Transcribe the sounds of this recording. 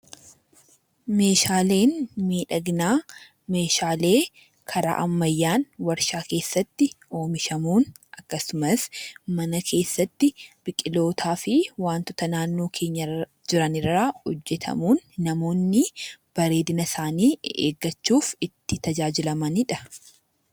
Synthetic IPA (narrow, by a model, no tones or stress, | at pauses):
me̞ːʃaːle̞ːnmiːᶑɐɡnaː | me̞ːʃaːle̞ː | kʰɐɾa̰ːʔɐmːɐjːaːnwɐɾʃaːke̞ːsːɐt̪ːɪ | o̞ːmɪʃɐmuːn | ʔɐkːɐsʊmɐsmɐnɐkʰe̞ːsːɐt̪ːɪb̥ɪkʼɪlo̞ːt̪ʰaːfɪwaːnt̪ʊt̪ɐnaːnːo̞ːkʰe̞ːɲːɐd͡ʒɪɾɐnɪrːɐɔd͡ʒːɛt̪ʰɐ̰muːnːɐmo̞ːnːɪb̥ɐɾe̞ːd̪ɪnɐsaːniːḛːɡːɐt͡ʃːuːfɪt̪ːɪt̪ɐd͡ʒaːd͡ʒɪlɐmɐnɪᶑɐ